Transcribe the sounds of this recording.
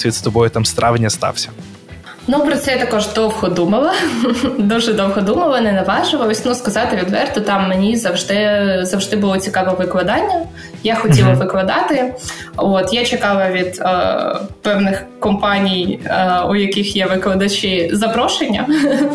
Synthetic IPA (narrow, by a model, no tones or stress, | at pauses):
sʋʲid̪st̪ɔbɔjʊt̪ɑmst̪ɾʔɑʋɪnʲːɐst̪ɑ̰wsʲɐ̥ | nupɾɔt̪sɛjt̪ɐkɔʒd̪ɔwɦɔd̪umɐlˠɐ | d̪uʒɛd̪ɔwɦɔd̪umɐlˠɐnɛnɐʋɑʒɪʋɐlˠɔsʲnuskɐzɑt̪ɪʋʲid̪ʋɛrt̪ʊt̪ɑmːenʲizɐwʒd̪ɪzɐwʒd̪ɪbʊlˠɔt͡sʲikɑʋɔʋɪklˠɐd̪ɑnʲːɐ | jaxɔtʲilˠɐʋɪklˠɐd̪ɑt̪ɪ | ot̪jat͡ʃɪkɑʋɐʋʲid̪ | pɛwnɪx | kɔmpɑnʲijujɐkɪxjɛʋɪklˠɐd̪ɐt͡ʃɪzɐpɾɔʃenʲːɐ̰